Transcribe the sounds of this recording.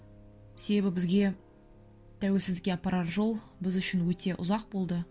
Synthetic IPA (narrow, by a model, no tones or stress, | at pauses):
se̞be̞bɪbɪzɡʲe̞ | t̪ʰæwe̞lsɪzd̪ɪkʲːe̞ɑpːɑɾɑt̪ʒo̞lˠ | bɪzʏʃɪnwɵt̪e̞ʔʊ̰zɑq̚bo̞lˠd̪ə